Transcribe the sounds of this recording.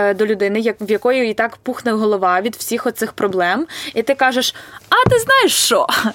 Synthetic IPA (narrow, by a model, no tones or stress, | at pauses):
d̪ɔlʲʊd̪ɪnɪjɐʋjɐkɔjʊit̪ɑkpuxnɛwɦɔlˠɔʋɑʋʲid̪w̥sʲixɔt̪sɪxpɾɔblˠɛmit̪ɪkɑʒeʃɐt̪ɪznɑjeʃt͡ʃɔ